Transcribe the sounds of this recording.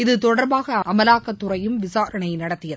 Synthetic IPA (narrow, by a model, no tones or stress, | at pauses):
ɪðɯt̪ɔɽɐɾbaːɣɐɐmɐlaːkːɐt̪ːɯɾɐjɯmʋɪsaːɾɐɳɐɪnɐɽɐt̪ːɪjɐðɯ